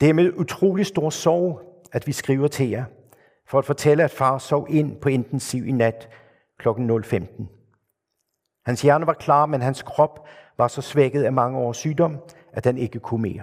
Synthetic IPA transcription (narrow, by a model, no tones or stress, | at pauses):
d̥æɐme̝ð̞ˠut͡sʰʁo̝̰ːlisd̥o̝ɐ̰sɒʊ̰ | æd̥ʋisɡ̥ʁiʊɐt͡sʰe̝ɐ | fɒ̽æd̥fɒ̽t͡sʰeləæd̥fɑ̈ːsɒʊ̰ʔe̝n̰pʰɒ̽e̝nd̥nsiʊ̰ʔinæd̥ | kʰlɒ̽ɡ̥n̩ːɔ̽lfemd̥n̩ | hænsjæɐnɐʋɑ̈kʰlɑ̰̈ːmenɦænskʰʁɒ̽b̥ʋɑ̈sɒ̽sʋeɡ̥ð̩ˠæmɑ̈ŋəɒ̰ːsːyːd̥ɒ̽m̰ | ʔædhene̝ɡ̥əkʰume̝̰ːɐ